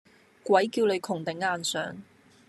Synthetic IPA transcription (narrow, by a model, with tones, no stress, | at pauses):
kwɐ˨˥jkiː˧wlɵ˨˧ɥkʰʊ˨˩ŋt̪ɪ˨˥ŋaː˧nsœ̰ː˨˥ŋ